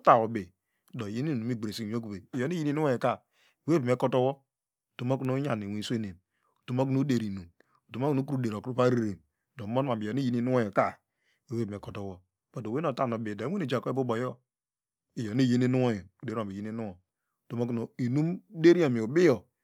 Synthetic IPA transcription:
ta˦˨o˨be˨ | do˨ji˦ni˦˨nu˨mi˦ɡ͡bɾe˨si˦˨˦o˦ku˨be˨i˨jo˨ni˦ji˦ni˦u˦o˦e˨ka˦˨ | we˦be˨m˨e˦ko˦to˦wo˦ | u˨to˨mo˦ku˦no˦ɲa˨ni˨wi˨˦sʷe˦ne˨m | u˨to˨mo˦k̬u˦nu˦de˨ɾi˨nu˨m | u˨to˨mo˦ku˦nu˦ku˦ɾu˦de˨ɾo˨kɾu˦pa˦ɾe˨ɾe˨m | do˨mo˦n˦a˨bi˨jo˨ni˦ji˦ni˦nu˦o˦jo˨ka˦˨ | e˨we˦bm˨e˨ko˨to˦wo˦ | bo˨e˦no˨˦ta˦˨o˨be˨do˨˦e˦ne˨d͡ʒa˨ko˦e˦bu˦bo˨˦jo˦ | i˨jo˨ne˦˨ji˦ni˦nu˦o˦je˨u˨de˨˦o˨bi˨ji˦ni˦nu˦o˨ | u˨to˨mo˦ku˨no˨i˨nu˦m˦de˦ɾi˦o˨mi˨u˨bi˦jo˨

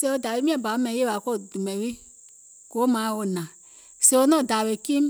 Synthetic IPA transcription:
se˦wo˦˨da˨we˦mĩ˦ã˦˨ba˨˦mɛ̃˨˦je˦a˨˦ko˦˨du˨mɛ̃˨wi˦ | ko˨˦mã˨˦wo˨nã˨ | se˧˦wo˦nɔ̃˦˨da˨we˨kĩ˦m

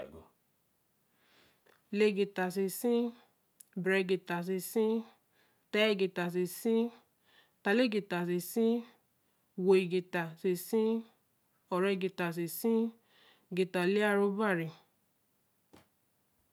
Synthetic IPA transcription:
le˧ɡi˨ta˨si˧˨sĩ˦ | bɾɛ˧ɡi˨ta˨s̬i˧sĩ˦ | tɛ˧˨ɡi˨ta˨si˨sĩ˦ | ta˨˧le˦ɡi˨ta˨si˨sĩ˦ | wo˨i˨ɡe˨ta˨se˨sĩ˦ | ɔ˨ɾɛ˧ɡi˨ta˨s̬i˨sĩ˦ | ɡi˨ta˨le˦a˦˧˨ɾo˧˦ba˦˨ɾi˨

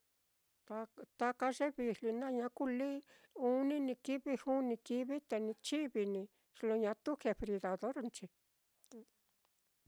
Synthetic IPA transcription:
a˧t̪a˧ka˧ʐe˦βi˧li˧nã˦˧ɲã˧˦ku˦li˦ | u˦nĩ˦nĩ˧ki˦βi˧hu˦nĩ˧ki˧βi˦t̪e˧nĩ˧t͡ʃi˦βi˧nĩ˧ | ʂlo˧ɲã˧t̪u˦ke˧fɾi˧ða˨ðo˦ɾnt͡ʃi˧

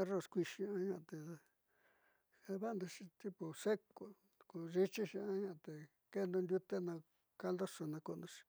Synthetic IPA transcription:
e˦ro˦˨skʷi˧ʃi˧ã˦ɲã˧˨t̪e˨a˧ | a˧βa˦nd̪u˧ʂi˧t̪i˦pu˨se˦ko˨ | ku˧˨ʐi˦t͡ʃi˦ʃi˧ã˦ɲã˦˧˨t̪e˨ | ke˦nd̪ũ˧nd̪ʲju˦t̪e˦nã˧ | ka˦nld̪o˦so˧nã˧ku˧nd̪ũ˧ʃi̥˧

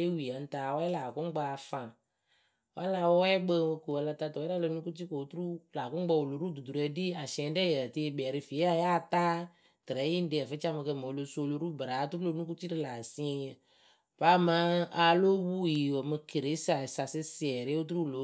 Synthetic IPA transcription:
e˦wi˨a˨n̩˦ta˨wɔ˦ɛ˦la˨kʊ˦ŋ˦ɡ͡ba˦a˧fã˨ | wa˦la˧wɔ˦ɛ˦ɡ͡be˧ko˨wa˨˧la˧t̪a˧tɔ˨˦ɾa˦lo˧˦nũ˦ku˦ti˦ko˨o˨˦t̪u˦la˨kʊ˦ɡ͡ba˧wo˨lo˨ɾu˦d̪u˨d̪u˨ɾu˨ɛ˨di˦a˨ʃɛ̃˨˦dɛ˦jɛ˨ti˧˦bɛ˨ɾi˧fi˨e˦a˦ja˦˨t̪a˦ | t̪ɾɛ˨˦ji˦n̩˦de˦ɛ˨fe˦t͡ʃa˦me˧ke˧˨me˨o˨lo˧so˦˧lo˨˦ɾu˦bɾa˨˦t̪u˦lo˦˧nũ˦k̬u˦ti˦dɪ˦la˨sĩ˦˧ɲɛ˨ | pa˦ma˦a˨lo˦wu˦˨ji˨wɔ˨mɨ˧ke˨ɾe˨˦sa˨sa˨sɪ˦si˨ɛ˨ɾe˦wo˦t̪̬u˦u˦˨lo˨˦

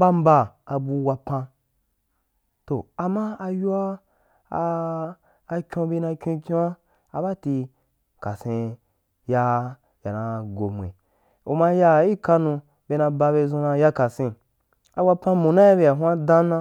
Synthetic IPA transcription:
ba˦m̩˦ba˧a˧bu˧wa˧pã˧ | to˨a˨mã˦a˧ju˦a˦˧ | kʲõ˧˦bi˧˦nã˧kʲõ˧kʲõ˦a˦ | a˧ba˦ti˧ | ka˨sẽ˧ | ja˧ | ja˨nã˧ɡo˨mʷ˨ḛ˨ | u˨ma˧ja˧i˦ka˧nũ˧ | be˧nã˧ba˧be˧zõ˧nã˧ja˧ka˨sẽ˧ | a˧wa˧pã˧mũ˨nã˦a˦be˧ja˨ɦʷa˦dã˦nã˧

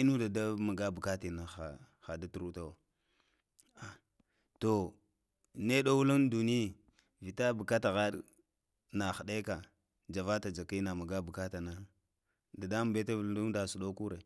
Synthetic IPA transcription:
i˦nu˦da˨da˦ma˨ɡa˦bu˨ka˦ti˨na˨xa˨ | xa˨da˦tu˨ɾu˦ta˦wa˨ | a˨ | to˨ | ne˦ɗo˦wu˦lu˦ndu˨ni˦˨ | vi˨ta˦bu˨ka˦ta˨ɣa˦ɗ | na˨xa˨ɗa˦ka˨ | d͡ʒa˨va˦ta˨d͡ʒa˨ki˦na˨ma˨ɡa˦bu˨ka˦ta˨na˦ | da˨da˦m˨be˦ta˦˨˦u˦da˨su˨ɗo˦ku˦ɾe˨

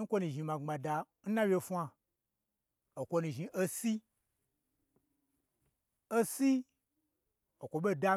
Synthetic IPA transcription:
n̩˦kʷo˦nũ˨ʒi˨˧mã˨ŋ͡ma˨da˧ | n̩˦nã˦wje˧fʷa˧ | o˨kʷo˧nũ˨ʒi˧˨ʔo˦si˦ | o˦si˦ | o˨kʷo˨ɓo˦˨da˧

